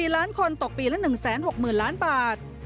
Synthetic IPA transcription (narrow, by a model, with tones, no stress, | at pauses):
iː˨˩laː˦˥nkʰo˧nt̪o˨˩k̚piː˨˩la˦˥nɯ˨˩ŋsɛː˩˦nho˨˩k̚mɯː˨˩nlaː˦˥nbaː˨˩t̪̚